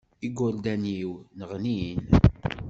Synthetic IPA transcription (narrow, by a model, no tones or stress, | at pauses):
iɡʊɾd̪æniwnəʁnin